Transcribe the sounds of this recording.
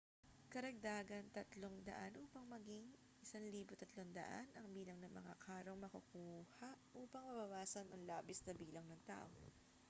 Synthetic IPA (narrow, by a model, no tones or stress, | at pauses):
kɐɾɐɡ̚d̪aːɡɐnt̪ɐt̪lo̞ŋd̪ɐ̰ʔanʔuːpɐŋmɐɡɪŋ | ʔɪsanliːbot̪ɐt̪lo̞ŋd̪ɐ̰ʔa̰nɐŋbiːlɐŋnɐŋmɐŋakʰaːɾoŋmɐkɐkuːhɐʔʔuːpɐŋmɐbɐwaːsɐnʔɐŋlaːbɪsnɐbiːlɐŋnɐŋt̪a̰ːʔo